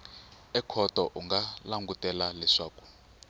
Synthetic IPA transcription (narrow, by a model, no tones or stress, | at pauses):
ɛkʰɔtɔʔuŋɡalaŋɡutɛlalɛʂaːku̥